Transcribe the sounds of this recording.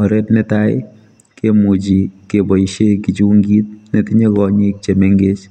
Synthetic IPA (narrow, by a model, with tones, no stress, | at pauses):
ɔ˨ɾe˦tne˦ta˦ɪ | kemu˨t͡ʃi˨kebɔ˨iʃekit͡ʃu˦ŋɡi˦t̚ne˨ti˦ɲe˦kɔɲe˦k̚t͡ʃe˨me˦ŋɡe˦t͡ʃ